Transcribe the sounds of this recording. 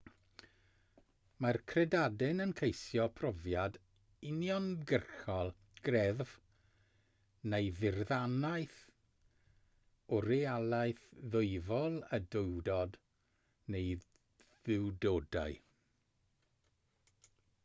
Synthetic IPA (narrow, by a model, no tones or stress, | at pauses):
markʰrɛdadɪnənkʰejsjɔpʰrɔvjad | ɪnjɔnɡərxɔlˠ | ɡ̥rɛðv | nejðɪrðanajθ | ɔɾialˠajθðʊɨvɔlˠədʊɨdɔd | nej | ðɪwdoːda̰ɨ